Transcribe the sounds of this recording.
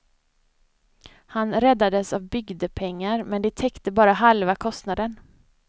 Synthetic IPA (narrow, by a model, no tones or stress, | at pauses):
hanɾɛd̪ːad̪əsavbʏɡd̪əpʰɛŋːaɾmɛnd̪ɛt̪ʰɛkt̪əbɑːɾaɦalvakʰɔst̪nad̪ən